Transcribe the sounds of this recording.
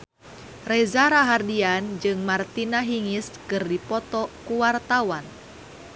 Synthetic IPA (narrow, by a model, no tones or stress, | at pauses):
rɛzaɾaɦardiand͡ʒɨŋmart̪inaɦiŋiskɨrdipɔt̪ɔkuwart̪awan